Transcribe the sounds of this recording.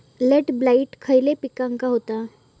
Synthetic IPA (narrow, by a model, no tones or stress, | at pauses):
leʈblaiʈkʰəjlepikãŋkaɦot̪a